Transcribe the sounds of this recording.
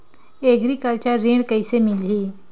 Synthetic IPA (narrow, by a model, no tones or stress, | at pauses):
eɡɾiːkalt͡ɕjaɾeɳkəjsemilɦiː